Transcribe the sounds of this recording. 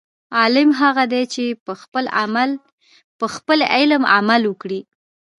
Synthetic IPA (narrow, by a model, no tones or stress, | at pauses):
ɑlɪmɦaɣad̪et͡ʃepəxpəlamal | pəxpəlɪlma̰malwəkɽi